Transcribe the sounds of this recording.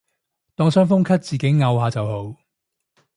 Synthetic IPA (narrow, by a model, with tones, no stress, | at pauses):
t̪ɔː˧ŋsœː˥ŋfʊ˥ŋkʰɐ˥t̚t͡siː˨ke˨˥jŋɐ˧wɦaː˨˧t͡sɐ˨who˨˧˥w